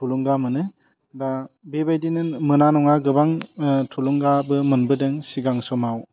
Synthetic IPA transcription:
tʰuluŋɡamɯnɯ | dabebajdinɯnmɯnanɔŋaɡɯbaŋtʰuluŋɡabɯmɯnbɯdɯŋsiɡaŋsɔmaw

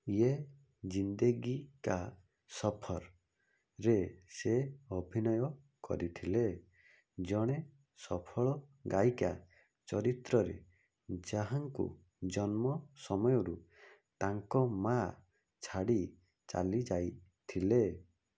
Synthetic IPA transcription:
ie | d͡ʒind̪eɡika | sɔpʰɔɾ | ɾeseɔbʱinɔjɔ | kɔ̰ɾit̪ʰile | d͡ʒɔɽ̃e | sɔpʰɔɭɔɡajka | t͡ʃɔɾit̪ɾɔɾḛ | d͡ʒaɦaŋkṵ | d͡ʒɔnmɔsɔmɔjɔɾu | t̪aŋkɔma | t͡ʃʰaɽi | t͡ʃa̰lid͡ʒajt̪ʰile

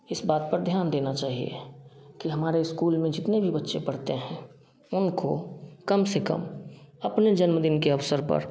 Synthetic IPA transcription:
ɪsbaːt̪̚pəɾd̪ʱjaːnd̪eːnat͡ʃaːɦiḛkiɦɐmaːɾeɪskuːlmẽd͡ʒɪt̪nebʱibətːʃẽpɐɽ̤t̪eɦɛ̃ | ʊnkokəmsekə̰mɐpned͡ʒənməd̪ɪnkeɐʋsəɾpə̰ɾ

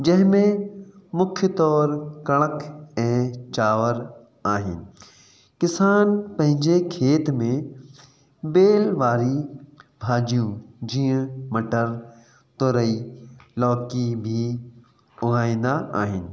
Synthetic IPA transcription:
d͡ʑɐ̃ɦɪ̃mẽmʊkʰjt̪ɔːɾkɐɽ̃əkʰɛ̃ːt͡ʃaːʋəɾ | aːɦɪ̰nɪ̆ | kɪsaːnpɐ̃ɦɪ̃ɲd͡ʒekʰeːt̪mẽ | beːlʋaːɾibʱaːd͡ʒijũd͡ʒiːə̃mɐʈəɾ | t̪oɾəilɔːkibʱi | ʊaːĩnd̪aʔaːɦɪnɪ̆

